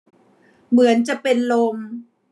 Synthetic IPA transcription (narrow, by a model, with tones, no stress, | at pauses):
mɯ˩˦ənt͡ɕa˨˩pe˧nlo˧m